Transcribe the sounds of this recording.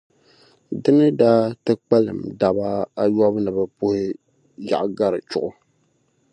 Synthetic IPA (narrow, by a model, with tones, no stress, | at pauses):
dɨ˦nɨ˦daː˦tɨ˦k͡pɛ˦lɨ̰˨mda˨ba˦a˦jɔ˦bnɨ˨bɛ˨pʊ˦hɪ˦ | ja̰˨ʔɡa˦ɾɨ˨t͡ʃʊ˨ʔʊ˦